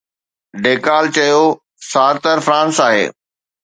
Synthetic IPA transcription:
ɖeːkaːlt͡ɕɐjo | saːɾt̪əɾfɾãːnsaːɦḛː

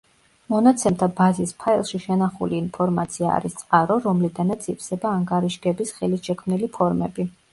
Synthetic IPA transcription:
mɔnat̪sʰɛmt̪ʰabazispʰailˠʃiʃɛnaχuliːnpʰɔɾmat̪sʰia̰ːɾist̪sʼqʼaɾɔɾɔmlid̪anat̪sʰipʰsɛbaːŋɡaɾiʃɡɛbisχɛlisʃɛkʰmnilipʰɔɾmɛbi

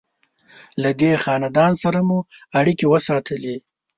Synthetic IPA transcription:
lad̪exɑnad̪ɑnsaɾamuaɽikewəsɑt̪ʰəle

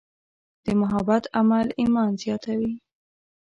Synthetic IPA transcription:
d̪̥əmʊɦabat̪amalimɑnzjɑt̪awi

